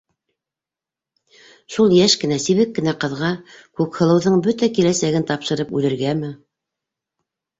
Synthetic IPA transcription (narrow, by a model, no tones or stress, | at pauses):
ʃulˠjæʃkɘ̆næsiβɘkːɘ̆næqɤ̆ðʁɑkʉkhɤ̆lˠɤ̆wðɤɴbɵt̪ækilæsæɡɘnt̪ɑpʃɤ̆ɾɤpʉlɘ̆ɾɡæmɘ